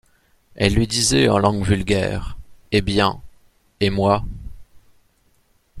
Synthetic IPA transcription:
ɛlːɥid̪izɛɑ̰̃lɑ̃ɡvylɡʲɛ̰ːʁebjɛ̃ | emwa

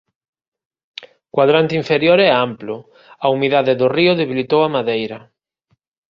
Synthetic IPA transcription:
kwaðɾant̪iɱfeɾjoɾɛamplʊ | aumiðaðeðʊriʊðeβilit̪owamaðejɾɐ

